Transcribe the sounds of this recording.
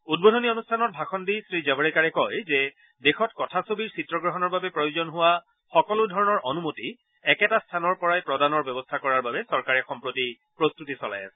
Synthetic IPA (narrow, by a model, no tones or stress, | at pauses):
ud̚bodʱɔnionustʰanɔt̚bʱaxɔndisɹizabɔɹikaɹɛkɔjzɛ | dexɔtkɔtʰasobiɹsitɹɔɡɹɔɦɔnɔɹbabɛpɹɔjozɔnɦʊwa | xɔkɔlʊdʱɔɹɔnɔɹɔnumoti | ɛkɛtastʰanɔɹpɔɹajpɹɔdanɔɹbɛbɔstʰakɔɹaɹbabɛsɔɹkaɹɛxɔmpɹoti | pɹostutisɔla̰ja̰sɛ̥